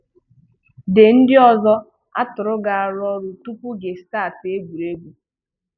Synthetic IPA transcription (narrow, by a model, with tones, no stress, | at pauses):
de˨n̩˦dɪ˦ɔ˨zɔ˦ | a̰˦tʊ˨ɾʊ˦ɡa˨a˨ɾɔ˦ɾu˨tu˦pu˦ɡe˨staː˦˨te˦ɡʷu˨ɾe˦bu˨